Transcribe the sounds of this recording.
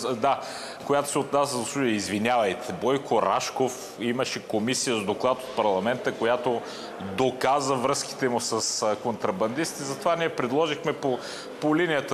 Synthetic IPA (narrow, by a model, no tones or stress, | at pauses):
d̪a | kojat̪o̥sɛot̪nasəzɐsˠud̪ijəizvinʲavɐjt̪ɛbɔjkoɾa̰ʃkof | iməʃɛkomisijəzd̪oklˠat̪ot̪̚pɐɾlˠɐmɛnt̪əkojat̪o | d̪okazəvɾɤski̥t̪ɛmusəskont̪ɾɐbɐnd̪ist̪t̪ːzɐt̪ovaniɛpɾɛd̪lˠɔʒixmɛpo | polinijət̪